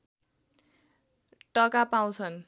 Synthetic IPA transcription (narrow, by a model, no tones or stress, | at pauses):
ʈʌkapaw̃t͡sʰʌn